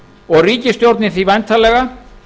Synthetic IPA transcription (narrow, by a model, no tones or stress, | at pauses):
ɔɣriːcɪst̪jowɾt̪nɪθivajnt̪ʰalɛɣa